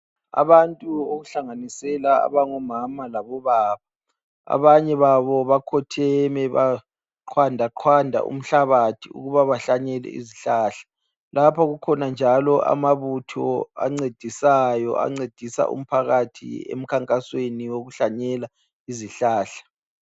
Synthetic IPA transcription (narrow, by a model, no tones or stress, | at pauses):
a̰βantʼuoɣuɬaŋanisɛlaa̰βaŋɔmamalaβɔβaːβa | a̰βaɲɛβaβɔβakʰɔtʰɛmɛβa | ǃʰwandʱaǃʰwandʱa̰ʔṵm̩ɬaβatʰiṵɣuβaβaɬaɲɛlɛ̰ḭziɬaːɬḁ | lapʰaɣukʰɔnand͡ʒʱalɔʔa̰maβutʰɔa̰ŋ͡ǀed̥ʱisajɔ̰ʔa̰ŋ͡ǀed̥ʱisa̰ʔṵm̩pʰaɣatʰḭḛm̩kʰaŋkʼasweniwoɣuɬaɲɛla | iziɬaːɬḁ